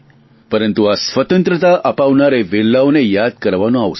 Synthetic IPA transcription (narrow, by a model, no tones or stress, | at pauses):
pəɾənt̪uasʋət̪ənt̪ɾət̪aʔəpaʋnaɾeʋelːaʋnejad̪̚kəɾʋanũaʋs